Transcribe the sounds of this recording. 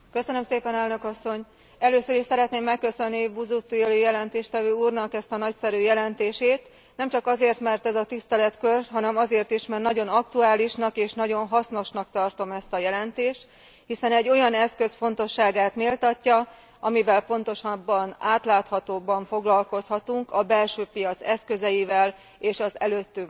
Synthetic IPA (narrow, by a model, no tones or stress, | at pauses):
køsø̞nømseːpɛnɛlnø̞kɒsːo̞ɲ | ɛløːsøɾiʃsɛɾɛt̪neːmːɛkːø̞sø̞nːibuzut̪ːueløːjɛlɛnt̪eːʃt̪ɛvøːuːrnɒkɛst̪ɒnɒcsɛɾyːjɛlɛnt̪eːʃeːt̪ | nɛmt͡ʃɒkɒzeːrt̪mɛrt̪ɛzɒt̪ist̪ɛlɛt̪kørɦɒnɛmɒzeːrt̪iʃmɛrt̪nɒɟo̞nɒkt̪uaːliʃnɒkeːʃnɒɟo̞nɦɒsno̞ʃnɒkt̪ɒrt̪o̞mɛst̪ɒjɛlɛnt̪eːʃt̪ | hisɛnɛɟːo̞jɒnɛskø̞sfo̞n̪t̪o̞ʃːaːɡaːt̪melt̪ɒcːɒ | ʔɒmivɛlpo̞n̪t̪o̞ʃɒbːɒnaːt̪laːt̪hɒt̪oːbɒɱfo̞ɡlɒlko̞shɒt̪uŋkɒbɛlʃøːpijɒt̪sɛskø̞zɛjivɛl | eːʃɒzɛ̰løːt̪ːyŋ